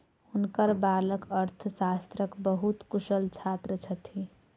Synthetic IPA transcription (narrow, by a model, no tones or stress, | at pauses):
hunkəɾbaləkəɾt̪ʰəsast̪ɾəkbəɦut̪kusəlt͡ʃʰat̪ɾət͡ʃʰət̪ʰi